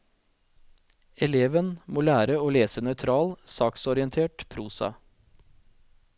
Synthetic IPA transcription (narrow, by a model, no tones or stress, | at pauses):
ɛleːʋənmoːlæːɾəoːleːsənœʏt̪ʰɾɑːlsɑːksɔɾɪənt̪ʰeːʈpʰɾuːsɑ̰